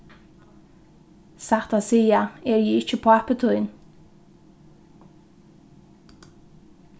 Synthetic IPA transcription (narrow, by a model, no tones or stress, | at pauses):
sæʁt̪ɑsiːɑeːɾjiːɪt͡ʃəpʰoːɛpət̪ʰɔʏn